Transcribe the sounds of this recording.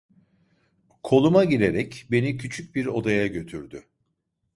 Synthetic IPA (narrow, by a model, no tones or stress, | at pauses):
kʰo̞lˠumaɟiɾe̞ɾɛcbe̞nicʰyt͡ʃʰyc̚biɾo̞d̪ajaɟø̞t̪ʰyɾd̪ʏ